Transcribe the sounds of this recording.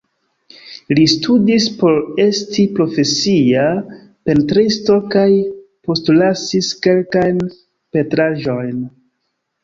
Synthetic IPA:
listʰudispo̞ɾe̞stʰipɾo̞fe̞sia | pe̞ntɾisto̞kajpo̞stlasiske̞lkajn | pe̞tɾaʒo̞jn

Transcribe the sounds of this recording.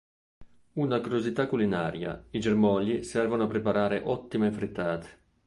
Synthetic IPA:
unakuɾjozit̪akːulinaːɾja̰id͡ʒermɔːʎisɛrvonoapːɾepaɾaːɾeʔɔt̪ːimefɾit̪ːaːt̪ʰe̥

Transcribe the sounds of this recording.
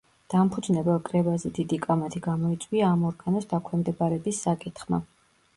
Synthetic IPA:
d̪̥ampʰud̪znɛbɛlˠkʼɾɛbazɛd̪id̪ikʼamat̪ʰiɡamɔit̪sʼwiaːmɔɾɡanɔsd̪akʰwɛmd̪ɛbaɾɛbisːakʼit̪χma̰

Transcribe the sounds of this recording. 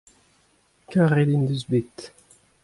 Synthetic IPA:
kaʁed̪ind̪yzbit̪

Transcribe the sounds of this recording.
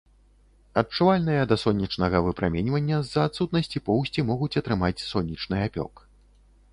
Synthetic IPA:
ɐt̚t͡ʂuvalʲnɨjɐd̪ɐsɔnʲːit͡ʂnɐɣɐvɨpɾamʲenʲvɐnʲːɐzːɐːt̪sut̪̚nɐsʲt͡sʲipɔwsʲt͡sʲimɔɣut͡sʲɐt̪ɾɨmat͡sʲsɔnʲːit͡ʂnɨapʲɔ̰k

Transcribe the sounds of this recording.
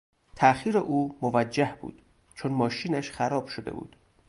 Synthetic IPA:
t̪ʰæxiːɾeʔuːmovæd͡ʒːæhb̥ṵːd̪̥ | t͡ʃʰonmɒːʃiːnæʃxæɾɒːb̥ʃod̪e̞̰bṵːd̪̥

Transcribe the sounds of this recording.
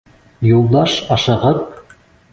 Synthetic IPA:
julˠd̪ɑʃɑʃɤ̆ʁɤp̚

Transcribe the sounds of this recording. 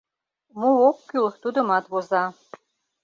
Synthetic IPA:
muokkylt̪ud̪ə̆mɑt̪βozɑ

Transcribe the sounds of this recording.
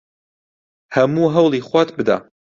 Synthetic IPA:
hɐmuːɦɐwlˠiχwʷat̪bɨd̪a̰

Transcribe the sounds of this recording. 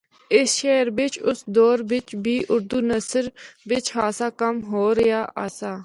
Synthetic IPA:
ɪsʃɛːɾʋɪt͡ʃʊsd̪ɔːɾʋɪt͡ʃbiːʔʊɾd̪uːnəsəɾʋɪt͡ʃɦaːsaːkəmɦoːɾəjaːʔa̰ːsaː

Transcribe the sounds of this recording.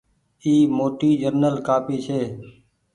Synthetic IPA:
iːmoːʈiːd͡ʒəɾnəlkaːpiːt͡ʃʰeː

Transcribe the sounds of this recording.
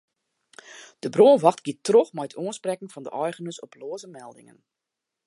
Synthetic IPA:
d̥əbroənʋɑxtɡ̥iətroxmɛjtʰuənsprɛkŋ̩fɑndə̰ʔɔjχənəsɔploəzəmɛlˠdɪ̰ŋə̰n

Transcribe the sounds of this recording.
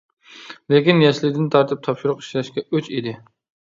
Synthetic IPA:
lekʲinjɛʃlɪd̪ɪnt̪ʰɑɾt̪ʰɨp̚t̪ʰɑpʃuɾʊqi̥ʃlɛʃkʲɛøt͡ʃid̪ɪ

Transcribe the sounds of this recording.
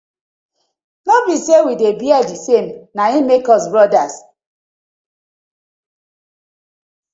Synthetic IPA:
nɔbisewidebiad͡ʒisemnaimekɔsbɾɔdas

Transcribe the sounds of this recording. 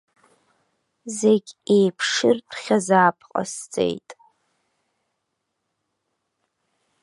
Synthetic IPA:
zeɡʲejpʰʂɪrdʷʰχʲazaːpʰqʼa̰st͡sʼḛjtʼ

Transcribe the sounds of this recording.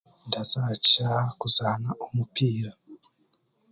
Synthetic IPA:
ndaz̥acakuzaːnaʔumupiːɾa

